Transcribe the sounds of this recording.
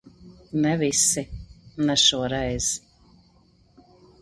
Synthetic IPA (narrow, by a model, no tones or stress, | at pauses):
nɛvisinɛʃuɔɾɛjz̥